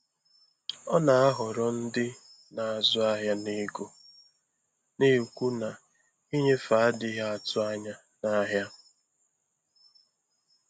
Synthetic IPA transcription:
ɔ˦na˨a˦ɦʊ˨ɾɔ˦n̩˦dɪ˦ | na˨a˨zʊ˦a˦ɦja˦ni˦ɡo˦ | ni˦u˨kʷu˦na˨ | i˦ɲe˦fa˨a˦dɪ˨ɦa˦a˨tʊ˦a˦ɲa˦ | na˦ɦja˦

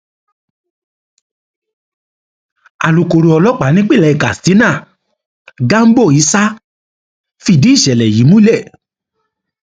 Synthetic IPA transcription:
a˨lu˨ko˨ɾo˨˧ɔ˧lɔ˦k͡pa˨˦nĩ˦k͡pe˦˨lɛ˨˧˨i˨ka˨sti˨˦nã˦˨ | ɡa˦m̩˦bo˦˨i˨˦sa˦ | fi˦˧˨di˨˦i˦˨ʃɛ˨lɛ˨ji˨˦mũ˦lɛ˦˨

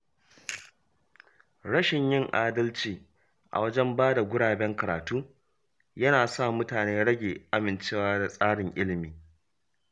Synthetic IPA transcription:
ɽɐ˦ʃɪ˨ɲjɪ˦˨ŋʔaː˦dɐ˦lt͡ʃiː˨ | ʔa̰˨wɐ˦d͡ʒɛ˦mbaː˦da˨ɡʷʊ˦ɽaː˨bɛ˦ŋkɐ˨ɾaː˨tuː˦ | jɐ˦naː˨sa˦˨mʊ˦taː˨neː˦ɽɐ˦ɡʲeː˨ʔa˦mɪ˨nt͡ʃeː˦waː˦da˨sʼaː˦ɽɪ˨ŋʔɪ˦lɪ˨miː˨

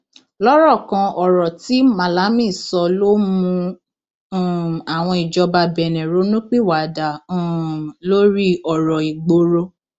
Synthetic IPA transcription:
lɔ˦ɾɔ˦˨kã˧ɔ˨ɾɔ˨ti˨˦mã˨la˨˦mĩ˦˨sɔ˧lo˦mũ˧˦˨ | a˨w̃ɔ̃˧i˨d͡ʒɔ˧ba˧bɛ˨nɛ̃˨ɾo˨˦nũ˦k͡pi˦˨wa˨dã˨ | lo˦ɾi˦ɔ˨ɾɔ˨i˨ɡ͡bo˧ɾo˧˦

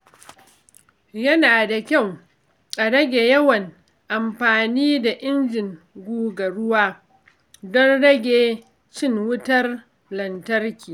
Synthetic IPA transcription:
jɐ˦naː˨da˨kʲa˦˨w | ʔa˨ɽɐ˦ɡʲe˨jɐ˦wɐ˨ŋ | ʔa˨mɸaː˨niː˦da˨ʔɪ˦nd͡ʒɪ˨ŋ | ɡʷuː˦ɡɐ˨ɽʊ˦waː˦ | dɔ˦nɽɐ˦ɡʲeː˨ | t͡ʃɪ˦˨ŋwʊ˦tɐ˦r | lɐ˨ntɐ˦rkʲiː˨

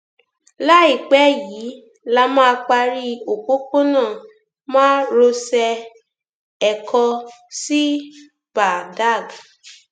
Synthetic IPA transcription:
la˦i˦˨k͡pɛ˨˦jiː˨˦ | la˧mãː˦˧k͡pa˧ɾi˦o˨ko˦ko˦nãː˦˨ | mãː˦ɾo˧sɛ˧ | ɛ˨kʰɔ˧si˦ | b̥a˨da˦˨ɡa˨

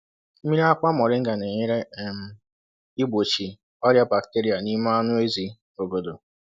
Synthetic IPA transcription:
m̩˦i˦ɾa˦kʷa˦mɔ˨ɾɪ˦ŋ̩˦ɡa˨ne˨ɲɪ˦ɾe˦˨m̩˦ | ɪ˦ɡ͡bo˨t͡ʃi˨ | ɔ˦ɾja˦ba˨kte˦ɾi˨˦a˨ni˦ma˦a˦nʊ˦e˦zi˨ | o˨ɡo˨do˨

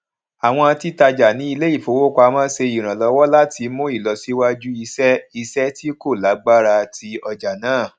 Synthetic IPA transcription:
a˨w̃ɔ̃˧a˧ti˦ta˧d͡ʒa˨nĩ˨˦i˧le˦i˦˨fo˨wo˦kʷa˧mãː˦se˧i˨ɾ̃ã˨lɔ˨˧wɔ˦la˦ti˧˦mũ˦i˦˨lɔ˨si˦wa˦d͡ʒu˦i˧sɛ˦i˧sɛ˦ti˦ko˦˨la˨˦ɡ͡ba˦ɾa˧tʰi˧ɔ˧d͡ʒa˨nãː˨˦˨

